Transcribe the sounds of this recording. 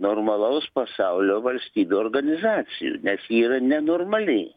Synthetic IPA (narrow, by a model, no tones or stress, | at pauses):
noːrmɐlˠɐʊspɐsɑʊlʲoːʋɐlʲsʲt̪ʲiːbʲuoːrɡɐnʲɪzɑːsʲɪjṵːnʲɛsiːɾɐnʲɛnoːrmɐlʲɪː